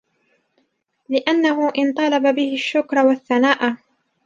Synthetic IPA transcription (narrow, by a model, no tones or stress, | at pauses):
lɪʔanːaɦʊʔɪnt̪ˤɑlɑbabɪhɪʃːʊkɾˤɑwaθːanaːʔa